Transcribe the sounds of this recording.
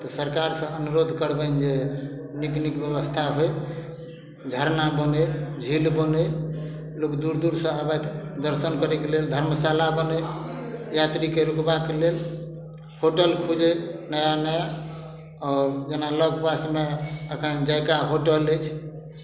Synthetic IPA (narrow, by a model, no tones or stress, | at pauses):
t̪ɔsəɾkaɾsə̃ənuɾod̪ʱkəɾbənd͡ʒeniknikbjəβəst̪ʰaɦoj | d͡ʒʱəɾnabəned͡ʒʱilbəne | lokd̪uɾd̪uɾsə̃abɛt̪d̪əɾsənkəɾɛkeleld̪ʱəɾməsalabənəj | jat̪ɾikeɾukbakelel | hoʈəlkʰud͡ʒenəjanɛj | ɔɾd͡ʒenaləɡpasmeəkʰənd͡ʒajkaɦoʈələjt͡ʃʰ